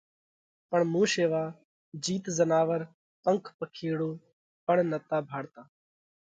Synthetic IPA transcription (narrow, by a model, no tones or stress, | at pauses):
pəɳmũːʃeːʋaː | d͡ʒiːt̪zənaːʋəɾ | pəŋkʰpəkʰeːɽoː | pəɳnət̪aːbʱaːɽt̪aː